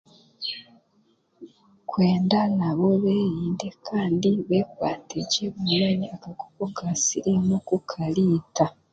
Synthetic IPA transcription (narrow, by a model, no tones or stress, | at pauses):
kwe̞ːndanaβo̞βeːjiːnde̞kʰaːndiβekwaːteɟeβumaɲiakakopokasiɾimukukʰaliːta